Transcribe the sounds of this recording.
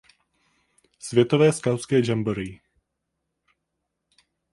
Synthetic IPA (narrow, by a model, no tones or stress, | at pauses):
svjɛt̪ovɛːskawskɛːd͡ʒamboɾii